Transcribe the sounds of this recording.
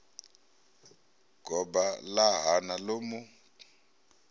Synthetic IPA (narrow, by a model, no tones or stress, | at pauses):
ɡʱɔɓalaɦanaloːmu